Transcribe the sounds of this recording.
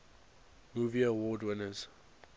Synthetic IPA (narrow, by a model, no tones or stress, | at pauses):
muːviəwɔdwɪnəz̥